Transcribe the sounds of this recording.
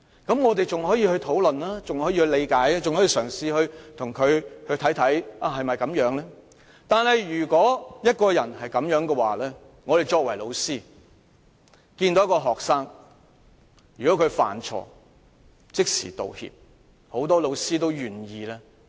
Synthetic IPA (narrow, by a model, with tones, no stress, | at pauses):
kɐ˨˥mŋɔː˨˧t̪e˨jt͡sʊ˨ŋɦɔː˨˥jiː˧hɵ˧ɥt̪ʰo˨˥wlɵ˨nlaː˥t͡sʊ˨ŋhɔː˨˥jiː˧hɵ˧ɥle˨˧jkaː˨˥jɛ˥t͡sʊ˨ŋhɔ˨˥iː˧sœː˨˩ŋsiː˨hɵ˧ɥt̪ʰʊ˨˩ŋkʰɵ˨˧ɥhɵ˧ɥt̪ʰɐ˨˥jt̪ʰɐ˨˥jʔaː˨˧hɐ˨jmɐ˨jkɐ˨˥mjœː˨˥ŋlɛː˥ | t̪aː˨nhɐ˨jjyː˨˩kʷɔː˨˥jɐ˥t̚kɔː˧jɐ˨˩nhɐ˨jkɐ˨˥mjœː˨˥ŋkɛ˧waː˨˩lɛː˥ | ŋɔː˨˧ɾe˨jt͡ʃɔː˧kwɐ˨˩jlo˨˧wsiː˥ | kiː˧nt̪o˨˥kɔː˧ɦɔː˨ksaː˥ŋ | jyː˨˩kɔ˨˥kʰɵ˨˧ɥfa̰ː˨˩nt͡sʰɔ̰ː˨ | t͡sɪ˥k̚sḭː˨˩t̪o̰˨whḭː˨p̚ | ho˨˥wt̪ɔː˥lo˨˧wsiː˥t̪o˥wjyː˨njiː˨˧lɛː˥